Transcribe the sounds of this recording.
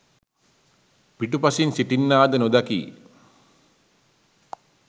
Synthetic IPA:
piʈupasinsiʈinːaːd̪ənod̪akḭː

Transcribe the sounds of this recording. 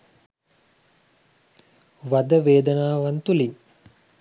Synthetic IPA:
ʋad̪əʋeːd̪ənaːʋant̪uliŋ

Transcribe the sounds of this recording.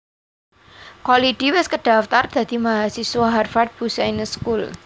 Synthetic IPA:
kɔliʈiwɛskəɖ̥aft̪ard̪̥a̤d̪imaɦasiswaɦarfaʈ̚b̥usainəskul

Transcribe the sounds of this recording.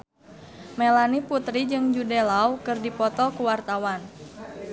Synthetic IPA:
mɛlaniput̪ɾid͡ʒɨŋd͡ʒudɛlawkɨrdipɔt̪ɔkuwart̪awan

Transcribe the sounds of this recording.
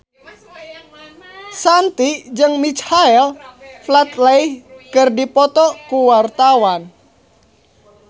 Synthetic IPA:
sant̪id͡ʒəŋmit͡ʃhaɛlflat̪laihkərdipɔt̪ɔkuwart̪awan

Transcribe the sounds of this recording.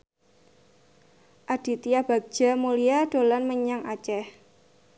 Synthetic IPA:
ʔad̥i̤t̪ijab̥a̤ɡ̥̚ʒ̥a̤mulijad̥o̤lanməɲaŋat͡ʃɛh

